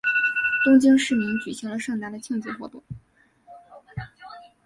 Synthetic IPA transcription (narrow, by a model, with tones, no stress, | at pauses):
t̪ʊ˥ŋt͡ɕi˥ŋʂɻ̩˥˩mi˧˥ŋt͡ɕy˨˩ɕi˧˥ŋlə˧ʂɤ˥˩ŋt̪a˧˥d̪ə˨˧t͡ɕʰi˥˧ŋt͡s̩˥˩xwɔ̰˧˥t̪ʊ˥˩ŋ